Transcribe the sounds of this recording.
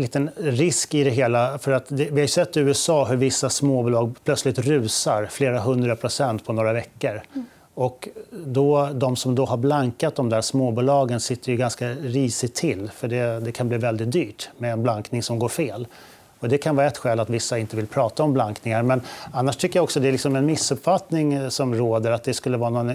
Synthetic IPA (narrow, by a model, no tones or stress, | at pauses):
liːt̪ənɾɪskɪd̪ɛɦeːlafœɾat̪d̪ɛvɪhajɵsɛt̪ːʉ̟ːɛsɑːɦɵɾvɪsːasmoːbuːlɑːɡpʰlœt̪slɪt̪ɾʉ̟ːsaɾfleːɾaɦɵnd̪ɾapʰɾʊsɛnt̪pʰɔnoːɾavɛkːəɾ | ɔkd̪ɔd̪ɔmsɔmd̪ɔɦaɾblaŋkat̪̚d̪ɔmd̪æːʂmoːbuːlɑːɡənsɪt̪ːəɾjɵɡanskaɾiːsɪt̪ʰːɪlːfœɖɛd̪ɛkʰanbliːvɛld̪ɪt̪̚d̪yːʈmɛːnblaŋknɪŋsɔmɡoːɾfeːl | ɔd̪ɛkʰanvɑːɾaɛt̪ɧɛːlat̪vɪsːaɪnt̪əvɪlpʰɾɑːt̪aɔmblaŋknɪŋaɾmɛnanːaʂʈ̪ʰʏkːəjaɔksɔd̪ɛːlɪksɔmɛnmɪsːɵpfat̪nɪŋsɔmɾoːd̪əɾat̪̚d̪ɛskɵlːəvɑːanɔn